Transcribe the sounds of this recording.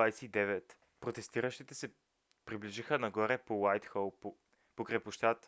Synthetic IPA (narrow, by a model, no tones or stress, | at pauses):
ajsɛid̪ɛvɛt̪ | pɾot̪ɛst̪iɾəʃt̪it̪ɛsɛ | pɾibliʒixənɐɡɔɾɛpowajt̪xɔlˠ | pokɾɛpʊʃt̪at̪